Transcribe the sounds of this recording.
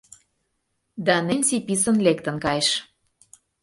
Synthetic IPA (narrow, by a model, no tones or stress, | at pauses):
d̪ɑnensipisə̆nlekt̪ə̆nkɑjʃ